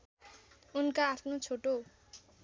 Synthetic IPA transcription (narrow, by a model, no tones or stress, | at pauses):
unkaːpʰnot͡sʰoʈo